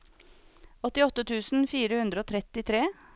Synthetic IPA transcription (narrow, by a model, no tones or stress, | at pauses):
ɔt̪ɪɔt̪ət̪ʰʉːsn̩fiːɾəhʉnd̪ɾəoːt̪ʰɾɛt̪ɪt̪ʰɾeː